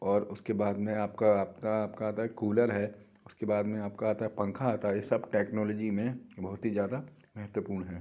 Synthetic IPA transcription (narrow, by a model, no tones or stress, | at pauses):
ɔːɾʊskebaːd̪mẽaːp̚kaaːp̚taaːpkaaːt̪aɦɛkuːləɾɦɛː | ʊskebaːd̪mẽaːp̚kaaːt̪aɦɛpɐ̃ŋkʰaaːt̪aɦɛjesɐbʈɛːknɔːlɔːd͡ʒimẽbɐɦʊt̪ɦizjaːd̪amɛɦət̪wəpuːɾɳɦɛː